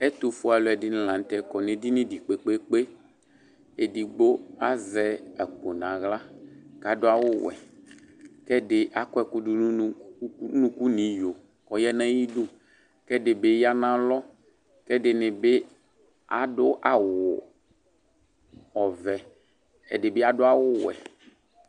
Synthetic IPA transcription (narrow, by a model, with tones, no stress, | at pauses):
ɛ˦t̪o˨fu˦a˨lo˨ɛ˨dɪ˦n˨lã˨n˨˦t̪ɛ˨kɔ˨nẽ˨di˦nĩ˦di˨k͡pe˨k͡pe˦k͡pe˦ | e˨di˨ɡ͡bo˦a˦zɛ˦ɛ˨k͡po˨nã˨ɣla˦ka˨do˦a˦wʊ˦wɛ̰˨ | kɛ˦dɪ˦ʔa˨kɔ˦ɛ˦ku˦du˦nũ˦nũ˦ku˦nĩ˨jo˨ | kɔ˨jɛ˦nã˦ji˦du˦ | kɛ˦de˨be˦ja˦nã˦lɔ˦ | kɛ˦dɪ˨nɪ̃˨be˦ | a˨dʊ˦ʔa˨wʊ˨ | ɔ˨vɛ˨ | ḛ˨de˨be˦a˨do˦a˦wʊ˦wɛ̰˨